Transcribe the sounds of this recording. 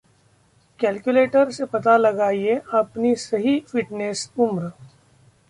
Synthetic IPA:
kɛːlkjuleːʈəɾsepɐt̪alɐɡaːieɐpnisɐɦifɪʈnesʊmɾ

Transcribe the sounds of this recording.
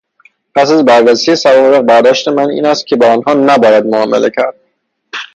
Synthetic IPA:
pʰæsæzbæɾːæsije̞sævɒːbeɣbæɾd̪ɒːʃt̪e̞mænḭːnæst̪̚cʰe̞bɒːɒnɦɒːnæbɒːjæd̪̚moɒːmḛlʔe̞cʰæɾd̪̥̚

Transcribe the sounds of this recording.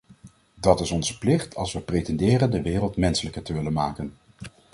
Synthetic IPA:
dɑtɪsɔnzə̥plɪχtʰɑ̰lˠsʋəprejtɛndɪːrəndəʋɪːrəlˠtmɛnsələkəɹtəʋɪlənmaːkən

